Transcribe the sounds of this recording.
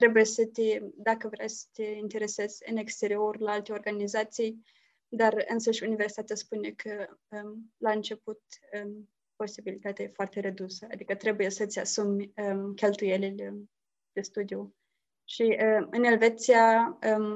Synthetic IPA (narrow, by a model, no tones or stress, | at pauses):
t̪ɾe̞buje̞sət̪ʲed̪akəvɾʲajsə̥t̪ʲeint̪e̞ɾe̞se̞z̥ʲɨ̰ne̞kst̪e̞ɾio̞rʲlaalt̪e̞o̞rɡanizat̪sij | d̪arɨnsəʃʲuniversit̪at̪easpunekʰəəlaɨnt͡ʃe̞put̪ə | po̞sibilit̪at̪efoart̪e̞ɾed̪usəa̰d̪ikət̪ɾe̞buje̞sət̪sʲasumʲəkʲe̞lt̪uje̞lilʲ | d̪̥e̞st̪ud̪iu | ʃiəɨne̞lve̞t̪sijaə